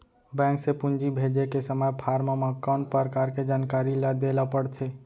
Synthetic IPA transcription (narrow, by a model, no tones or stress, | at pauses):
bɛ̃ːŋksepʊ̃nd͡ʒibʱeːd͡ʒekesəməjpʰaːɾmamakːaʊɳʈ̚pəɾkaːɾked͡ʒaːnkaːɾilad̪eːlapəɽt̪ʰeː